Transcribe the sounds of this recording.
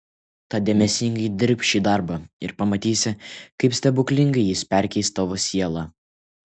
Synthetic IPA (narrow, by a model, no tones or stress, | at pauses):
t̪ɑd̪ʲɛmʲɛsʲɪŋɡɐɪd̪ʲɪɾʲpʲʃʲiːd̪ɑˑɾbɑɪɾpɐmɐt̪ʲiːsʲɪkɐɪpsʲt̪ʲɛbʊkʲlʲɪŋɡɐɪjɪspʲɛɾʲkʲɛɪst̪ːɐʋoːsʲiɛlˠɑ